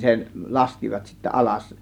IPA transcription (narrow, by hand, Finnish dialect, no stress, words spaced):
se lɑskiʋɑt sitːæ ʔɑlɑs